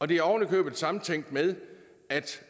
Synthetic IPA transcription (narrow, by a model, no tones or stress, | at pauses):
ɒ̽d̥e̝æɒ̰ʊnlikʰø̰ːb̥ð̩ˠsɑ̈mn̩t͡sʰeŋ̰d̥með̞ˠ | æd̥